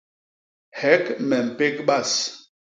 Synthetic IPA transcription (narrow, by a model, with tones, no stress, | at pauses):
hɛ˨˦kmɛ˨m̩˨pe˦kɓa˦˨s